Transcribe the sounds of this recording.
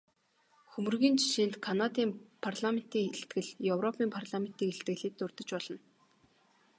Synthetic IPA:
xɵmɵ̆rɣiːnt͡ɕʰi̥ʃiːnt̪kʰanat̪iːmpʰarɮamen̥t̪iːŋeɬt̪ɡɘ̆ɮjɵwrɔpʰiːmpʰarɮamen̥t̪iːkeɬt̪ɡɘ̆ɮiːt̪ːʊrt̪ə̆t͡ɕpɔɮɞ̆n

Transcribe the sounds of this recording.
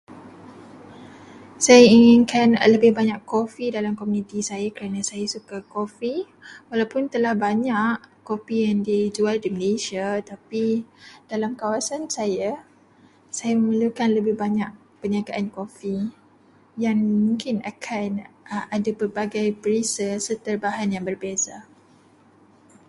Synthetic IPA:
sajaiŋɪnkanləbɪhbaɲakːofidalamkomunĩt̪isajakəɾanasajasukakofi | walawpʊnt̪əlahbaɲaʔkofijaŋdid͡ʒualdiməleʃiat̪apid̥alamkawasansaja | sajaməməlukanləbɪhbaɲaʔ̚ | pəɲakaʔankofi | jaŋmũŋkɪnakʰanadabərbaɡajpəɾisəsət̪ərbaɦanjaŋbərbiasa

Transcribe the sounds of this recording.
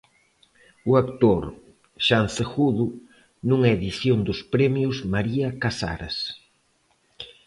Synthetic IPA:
ʊakt̪oɾ | ʃanθexuðʊ | nũŋɛeðiθjond̪ʊspɾɛmjʊzmaɾiɐkasa̰ɾɐ̰s

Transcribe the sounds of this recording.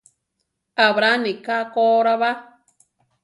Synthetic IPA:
aβɾanĩkakoɾaβa

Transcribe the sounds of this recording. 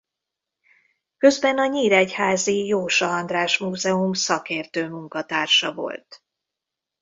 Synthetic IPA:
kø̞zbɛnɒɲiːɾɛchaːzijoːʃɒɒnd̪raːʃmuːzɛumsɒkeːrt̪øːmuŋkɒt̪aːrʃɒvo̞̰lt̪

